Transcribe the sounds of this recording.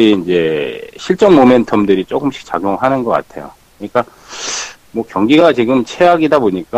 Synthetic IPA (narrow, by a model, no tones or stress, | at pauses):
iːnd͡ʑe̞ɕʰiɭt͡ɕ͈ʌŋmomentʰʌmdɯɾit͡ɕ͈ok͈ɯmɕʰi̥k̚t͡ɕaɡjoŋɦanɯnɡʌk͈a̰tʰe̞jo̰kkɯɲik͈a | mwʌkjʌŋɡiɡat͡ɕiɡɯmt͡ɕʰeaɡidaboɲik͈a